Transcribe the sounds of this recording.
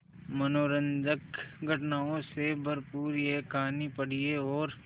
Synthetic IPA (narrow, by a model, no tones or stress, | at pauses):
mɐnoːɾə̃nd͡ʒəkɡʱɐʈnaːõsebʱɐɾpuːɾjekaːnipɐɽ̤ieɔːɾ